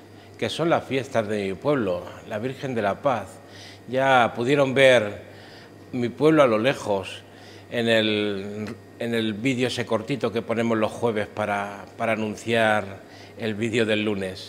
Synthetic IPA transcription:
ke̞so̞nlasfje̞st̪azðe̞mipwe̞β̞lo̞laβ̞iɾxe̞nd̪e̞lapaθ | ʝapuðje̞ɾo̞mbe̞ɾ | mipwe̞β̞loalo̞le̞xo̞s | e̞ne̞l | ene̞lβiðjoese̞ko̞ɾt̪it̪o̞ke̞po̞ne̞mo̞zlo̞sxwe̞β̞e̞spaɾapaɾaːnũn̟θjaɾ | e̞lβiðjo̞ð̞e̞lːune̞s

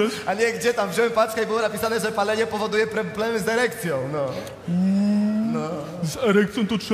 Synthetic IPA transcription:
ɐaɲɛɡd͡ʑɛt̪amvʑɔwɛmpaskaibɨwɔnapʲisanɛʐɛpalɛɲɛpɔvɔd̪ujɛpɾɔblɛmɨzd̪ɛɾɛk̚t̪sʲjɔ̃w̃nɔ | nɔ | zɛɾɛkt̪sjɔ̃w̃t̪ud̪u̥ʃ

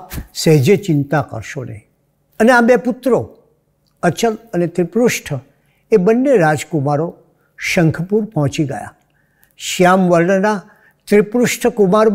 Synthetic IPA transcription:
pseɦd͡ʒet͡ʃɪnt̪akə̰ɾʃonḛ | əneabeput̪ɾo | ət͡ʃələnet̪ɾipɾuʃʈʰə | ebənːeɾad͡ʒkumaɾo | ʃə̃ŋkʰəpuɾpɔɦɔ̃t͡ʃiɡə̰ja̰ | ʃjamʋəɾɳəna | t̪ɾipɾuʃʈʰəkumaɾ

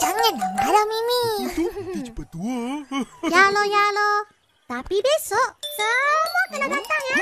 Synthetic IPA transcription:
d͡ʒaŋənaŋbaɾamimĩuit͡ʃpət̪u | jalojalɔ | t̪apibesɔʔsəmuakənadat̪aŋa

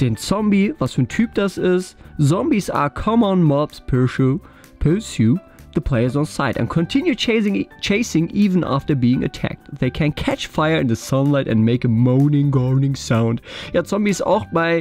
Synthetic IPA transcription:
d̥ɛ̃nt͡sɔ̃mbivasfən̩tʰʉp̚d̥asɪstzɔ̃mbiza̰kʰʌ̃mə̃nmɑpspʰɜ˞ʃ | pʰə˞sju | ðəpʰl̥eɪə˞zn̩saɪtɛ̰̃nkʰɔ̃ntʰɪ̃njũt͡ʃʰeɪsɪ̃ŋʔivə̃nʔa̰ftə˞biːɪ̃ŋʔɨ̰tʰæ̰k̚t̚ðeɪkʰæ̃nkʰæt͡ʃfaɪə˞ɨ̃nðəsʌ̃nlaɪtɨ̰̃nmeɪkəmõʊ̃nɪ̃ŋɡɔɹnɪ̃ŋsãʊ̃ndjaːsɔ̃mbisa̰ʊxb̥aɪ

